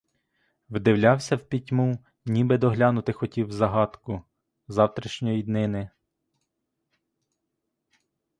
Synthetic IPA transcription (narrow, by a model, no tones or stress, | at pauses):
wd̪ɪwlʲɑwsʲɐwpʲitʲmu | nʲibɪd̪ɔɦlʲɑnʊt̪ɪxɔtʲiwzɐɦɑt̪kʊ | zɑwt̪ɾʲiʃnʲɔjid̪nɪnɪ